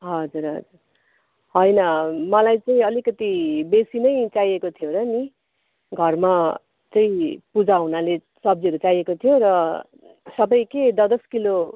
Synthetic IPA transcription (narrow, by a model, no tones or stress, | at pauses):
ɦʌd͡zuɾɦʌ̰d͡zur | ɦʌjnʌmʌlajt͡saĩʌlikʌt̪ibesinʌjt͡sajekot̪ʰijoɾʌni | ɡʱʌrma | t͡sʌĩpud͡zaɦunale | sʌbd͡ziʌɾut͡sajekot̪ʰijoɾʌ | sʌbʌjked̪ʌd̪ʌskilo